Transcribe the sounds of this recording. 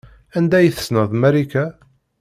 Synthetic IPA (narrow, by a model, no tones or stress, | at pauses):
ænd̪æjθə̥snəðˤmæɾikæ